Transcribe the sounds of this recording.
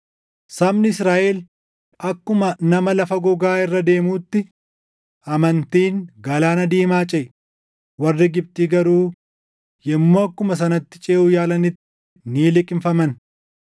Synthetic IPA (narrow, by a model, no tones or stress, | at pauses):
sɐmnɪɪsɾaːʔel | ɐkːʊmɐnɐmɐlɐfɐɡɔɡaːɪrːɐd̪e̞ːmuːt̪ːɪ | ɐmɐnt̪iːŋɡɐlaːnɐd̪iːmaːt͡ʃʼɛʔ | wɐrːɪɡɪb̚t̪iːɡɐɾuː | jɛmːoːɐkːʊmɐs̬ɐnɐt̪ːɪ̥t͡ʃʼeːʔuːjaːlɐnɪt̪ːɪ̥ | niːlɪkʼɪmfɐmɐn